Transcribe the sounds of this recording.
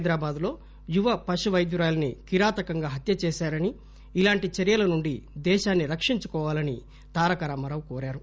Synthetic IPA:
jd̪ɾaːbaːd̪lo̞ː | juʋɐpɐʃuʋɐjd̪juɾaːlɐnikiɾaːt̪ɐkɐŋɡaːɦɐt̪jɐt͡ʃeːʃaːɾɐni | ilaːɳʈit͡ʃɐɾijɐlɐnuɳɖid̪ɛːʃaːnːiɾɐkʂiɲt͡ʃukɔːʋaːlɐni | t̪aːɾɐkɐɾaːmɐɾɐwkoːɾaːɾu

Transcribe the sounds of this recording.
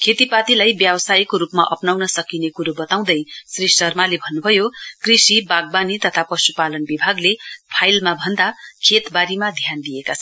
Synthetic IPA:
kʰet̪ipat̪ilajbjabsajkoɾupma̰ʔʌpnawnʌsʌkinekuɾobʌt̪aw̃d̪ʌjsrissʌrmalebʱʌnːubʱʌjokrisibaɡ̚banit̪ʌt̪ʰapʌsupalʌnbibʱaɡlepʰajlmabʱʌnd̪akʰet̪baɾimad̪ʱjand̪ijekat͡sʰʌn

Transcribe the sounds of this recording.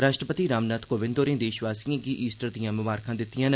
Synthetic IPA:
ɾaːʃʈɾəpət̪iːɾaːmnaːt̪ʰkoːʋɪ̃nd̪oːɾẽːd̪eːʃʋaːsijãːɡiːʔiːsʈəɾd̪ijãːmʊʋaːɾkʰãːd̪ɪt̪ːɪjãːn

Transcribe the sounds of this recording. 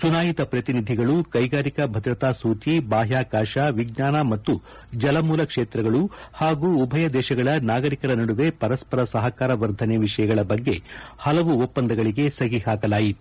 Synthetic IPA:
sunaːjit̪ɐpɾɐt̪inid̪ʱiɡɐɭukɐjɡaːɾikɐbʱɐd̪ɾɐt̪aːsuːt͡ʃibaːɦjaːkaːʃaʋiɡnaːnɐmɐt̪ːu | d͡ʒɐlɐmuːlɐkʂeːt̪ɾɐɡɐɭuhaːɡuːbʱɐjɐd̪ɛːʃɐɡɐɭɐnaːɡɐɾikɐɾɐnɐɽuʋe̞pɐɾɐspɐɾɐsɐɦɐkaːɾɐʋɐɾd̪ʱɐneʋiʂɐjɐɡɐɭɐbɐɡːe̞hɐlɐʋuopːɐnd̪ɐɡɐɭiɡe̞sɐɡihaːkɐlaːjit̪u̥

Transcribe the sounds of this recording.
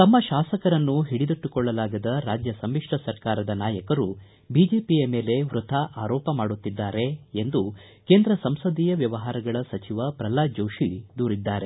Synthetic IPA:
t̪ɐmːɐʃaːsɐkɐɾɐnːuɦiɽid̪uʈːukɔɭːɐlaːɡɐd̪ɐɾaːd͡ʒjɐsɐmːikʂʈɐsɐɾkaːɾɐd̪ɐnaːjɐkɐɾu | biːd͡ʒe̞ːpijɐme̞ːle̞ʋɾut̪ʰaʔaːɾɔːpɐmaːɽut̪ːid̪ːaːɾe̞end̪u | keːnd̪ɾɐsɐmsɐd̪iːjɐʋjɐʋɐɦaːɾɐɡɐɭɐsɐt͡ʃiʋɐpɾɐlaːd͡ʒɐwʃid̪uːɾid̪ːaːɾe̞

